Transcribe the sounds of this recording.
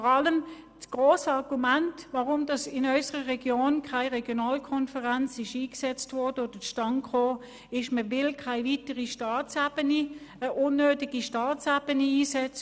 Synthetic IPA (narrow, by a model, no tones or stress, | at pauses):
ɔʁɑləm | sɡ̥ʁoːsəɑʁɡ̥umæntʋaʁʊmdɑsɪnœʏsəʁəʁɛɡjoːnkʰaɪʁɛɡ̥jonɑːlkʰɔnfəʁant͡sɪʃiːksɛt͡stvɔːɐd̥əoːd̥əʃtɑŋkχoː | ɪʃməʋɪlkʰaɪvitəʁiʃtɑːt͡sab̥əniəʔʊnːøːtɪɡ̥iʃtɑːt͡sab̥əniiːsɛt͡sə